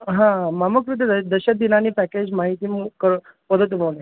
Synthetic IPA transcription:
ɦãmaməkɾud̪ed̪d̪əɕəd̪inaniːpæked͡ʑmaɦit̪iːmkəɾ | pəd̪ʱət̪̬ːmole

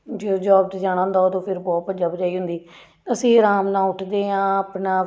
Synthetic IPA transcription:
d͡ʒoːd͡ʒɔːbt̪d͡ʒaːɽ̃ãːnd̪aoːt̪õːpʰɪɾbɔːt̪̚bəd͡ʒaːbəd͡ʒaːiːɦʊnd̪iː | əsĩːɾaːmnãːʊʈʰd̪eːɦãːaːpnaː

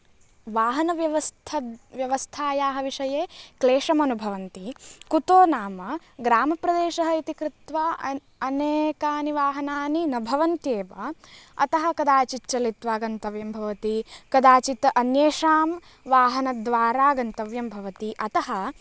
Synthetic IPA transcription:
ʋaːɦɐnɐʋjɐʋɐst̪ʰɐʋjɐʋɐst̪ʰaːjaːɦɐʋiʂɐjeːkleːʂɐmɐnubʱɐʋɐnt̪ikut̪oːnaːmɐ | ɡɾaːmɐpɾɐd̪eːʃɐɦɐit̪ikɾut̪ʋa | ɐneːkaːniʋaːɦɐnaːninɐbʱɐʋɐnt̪jeːʋɐ̰ɐ̰t̪ɐɦɐ̆kɐd̪aːt͡ʃitt͡ʃɐlit̪ʋaːɡɐnt̪ɐʋjɐmbʱɐʋɐt̪ikɐd̪aːt͡ʃit̪ɐnjeːʃaːm | ʋaːɦɐnɐd̪ʋaːɾaːɡɐnt̪ɐʋjɐmbʱɐʋɐt̪iʔɐt̪ɐɦɐ

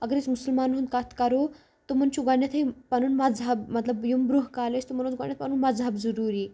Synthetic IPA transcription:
əɡəɾet͡smusəlmanɦũnd̪̚kat̪ʰkaɾo | t̪omənt͡ɕuɡaɳjat̪ʰɦepanuːnmɐd͡zabmɐt̪ləbjumbɾuɦkalest̪oməñot͡sɡa̰ɳjat̪̚panuːnmad͡zɦabd͡zəɾuɾiː

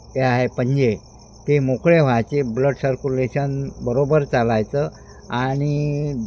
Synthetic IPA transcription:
t̪eaɦepəɲd͡ʑe | t̪emokɭeʋ̤ajt͡ɕebləɖsəɾkuleɕənbəɾobəɾt͡salajt͡sə | aɽ̃i

